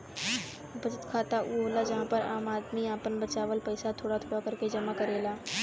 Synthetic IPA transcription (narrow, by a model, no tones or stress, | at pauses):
bɐt͡ʃət̪kʰaːt̪aʔuoːlad͡ʒɐɦãpɐɾa̰ːmaːd̪miaːpənbɐt͡ʃaːʋəlpɐɪsat̪ʰoːɽat̪ʰoːɽakɐɾked͡ʒɐmakɐɾeːlaː